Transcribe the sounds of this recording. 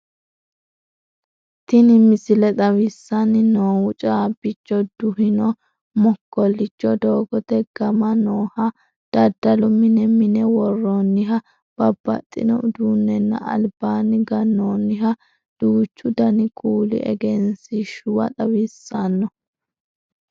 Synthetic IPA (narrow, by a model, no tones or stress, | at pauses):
t̪ɪnɪmɪsɪlɛt̪ʼɐwɪsːɐnɪnoːwʊt͡ʃʼaːbɪt͡ʃːɔd̪̥ʊhɪnɔ | mɔkːɔlːɪt͡ʃʼːɔd̪oːɡɔt̪ɛɡ̥ɐmɐnoːhɐ | d̪̥ɐd̪ːɐlʊmɪnɛmɪnɛwɔrːɔnːɪɦɐ | b̥ɐb̥ːɐ̰t̪ʼːɪnɔ̰d̪uːnːɛnːɐ̰ʔɐ̰lb̥aːnɪɡɐnːoːnːɪɦɐ | d̪̥uːt͡ʃːʊd̪ɐnɪkʼuːlɪ̰ʔɛ̰ɡɛnsɪʃʊwɐ̰t̪ʼɐwɪsːanːɔ